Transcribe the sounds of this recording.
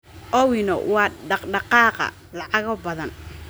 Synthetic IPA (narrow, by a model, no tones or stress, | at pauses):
ʔɔwɪnɔ̰wɑːɖɑqɖɑqɑːqɑ̰ | lɑʕɑɣɔbɐðɐn